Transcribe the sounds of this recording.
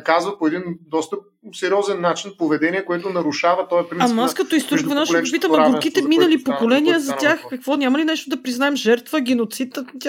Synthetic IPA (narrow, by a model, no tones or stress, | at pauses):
kazvɐpoɛd̪ind̪ɔst̪ə | sɛɾʲiɔzɛnːat͡ʃinpovɛd̪ɛniɛkoɛt̪ʊnɐɾʊʃavɐt̪ɔɛpɾinɐmaskɐt̪oist̪ɾuʃkvɛnaʃopiəmmɐɡɾkit̪ɛminɐlipokolɛnijəzɐt̪ʲjaxkɐkvɔnʲamɐlinɛʃt̪od̪ɐpɾiznaɛmʒɛɾt̪vəɡʲɛnot̪sit̪t̪ʲa